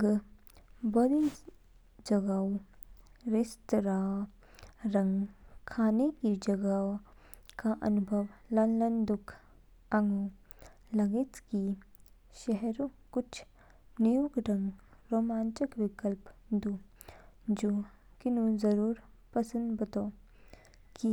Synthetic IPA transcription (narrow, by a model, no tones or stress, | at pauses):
ɡ | bɐd̪i | d͡ʒɐɡaːo | ɾɪst̪ɾaː | ɾɐ̃ŋɡkʰaːnekid͡ʒɐɡaːo | kaʔɐ̰nʊbʱəʋlɐlənd̪ʊkʰ | ɐŋɡo | lɐɡɪt̪ki | ʃɛɦɾõkʊt͡ʃʰ | nijuɡɾə̃ŋɡɾoːmãːnt͡ʃɪkʋɪkəlpd̪u | d͡ʒoː | kɪnũzɐɾuːɾ | pɐsə̃nd̪bɐt̪o | ki